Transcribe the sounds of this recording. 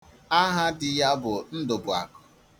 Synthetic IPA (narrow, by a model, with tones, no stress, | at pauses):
a˦ɦa˦dɪ˨ja˦bʊ˨n̩˦dʊ˨bʊ˨a̰˨kʊ̥˨